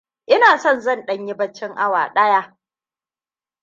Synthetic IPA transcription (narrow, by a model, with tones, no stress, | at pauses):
ʔɪ˦naː˨sɔ˦˨nzɐ˦˨nɗɐ˦ɲji˦bɐ˦t͡ʃːɪ˦ŋʔa˦wa̰ː˨ɗɐ˦jaː˦